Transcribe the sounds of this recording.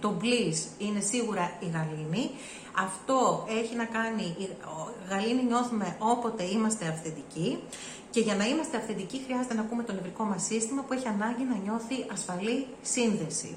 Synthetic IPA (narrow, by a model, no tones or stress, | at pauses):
t̪o̞blisine̞siɣuɾɐiɣɐlini | ɐft̪o̞e̞çinɐkɐni | ɣɐliniɲo̞θume̞ʔo̞po̞t̪e̞imɐst̪e̞ɐfθend̪ici | ce̞ʝɐnɐimɐst̪e̞ɐfθend̪icixɾiɐze̞t̪e̞nɐkume̞t̪o̞ne̞vɾiko̞mɐsːist̪imɐpueçiɐnɐɲɟinɐɲo̞θiʔɐsfɐli | sinðe̞sḭ